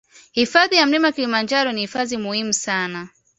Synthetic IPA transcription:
hifaðijam̩limaakilimand͡ʒaɾɔnihifaðimuhimusana

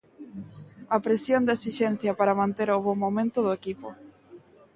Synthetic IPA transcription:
ɐpɾesjond̪esiʃenθjɐpaɾamãnt̪eɾoβomomẽnt̪ʊðʊekipo

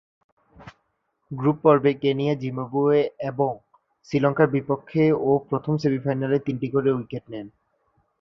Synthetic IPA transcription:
ɡɾupːɔɾbekenijad͡ʑimobueeboŋ | sɾilɔŋkaɾbipokʰːeopɾot̪ʰomsebifajnalet̪inʈikoɾewikeʈnɛn

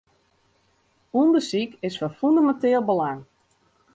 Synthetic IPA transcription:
uəndəsikɪsfɔnfundamɛnteːlˠbəlaŋ

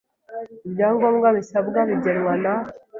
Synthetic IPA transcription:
ibjaːŋɡoːmɡaβisabɡaβiɟenwana

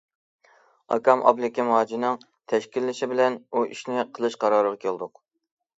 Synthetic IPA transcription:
ɑ̰kɑmʔɑ̰blɪkʲɪmɑːd͡ʒinɨŋ | t̪ʰɛʃkʲilːɪʃɪbɪlɛnuʔḭʃnɪqʰəlˠɨʃqɑɾɑːɾəʁɑkʲʰelˠd̪ʊq

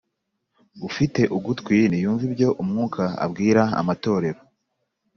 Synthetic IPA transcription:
ufite̞ʔuɡutkwinijuːɱvibjo̞ʔumŋuːkʰaa̰bɡiːɾaa̰mato̞ːɾe̞ɾo̞

